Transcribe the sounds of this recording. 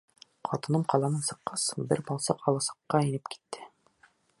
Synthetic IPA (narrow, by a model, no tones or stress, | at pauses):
qʰɒt̪ɤ̆nɤmqɑlˠɑnɤnsɤ̆qːɑsbɘɾbɒlˠsɤqʰɒlˠɑsɑ̥qːɑinɘpki̥t̪ʰːɘ